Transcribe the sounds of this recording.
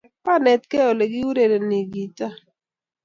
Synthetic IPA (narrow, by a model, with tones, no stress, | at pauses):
pa˦nɛ˨tkɛ˦ɔ˨le˨ɡɪ˦u˦ɾe˨de˨ni˨ɡi˨ta˦